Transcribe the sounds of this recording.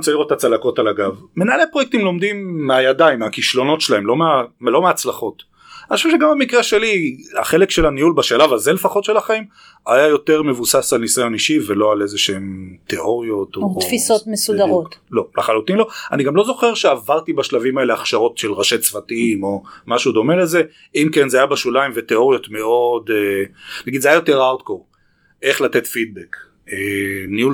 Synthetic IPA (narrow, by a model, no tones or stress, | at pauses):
t͡saliotat͡salako̞talaɡavmenalepʁojek̚timlo̞md̪imːeajadaimakiʃlo̞no̞tʃelaemlo̞meamlo̞meaːt͡slaχo̞t | aniʃuvʃeɡambemikʁeʃe̞lia̰χe̞le̞kʃe̞laniulbaʃalavaze̞le̞faχo̞tʃe̞laχaim | ajajo̞te̞ʁme̞vusasalnisajo̞niʃivelo̞ale̞zeʃeemt̪eʔo̞ʁjo̞tot̪ffisot̪mesudaʁot̪lo̞laχalutinlo̞aniɡamlo̞zo̞χe̞ʁʃeavaʁt̪ibaʃlavimae̞leaχʃaʁo̞tʃelʁaʃet͡svatiimo̞maʃud̪o̞me̞le̞ze̞ | imkenzeajabaʃulaimveteo̞ʁjo̞tme̞o̞denaɡid̪zeajajote̞ʁawt̪koʁ | e̞χlat̪etfid̚bek | eniul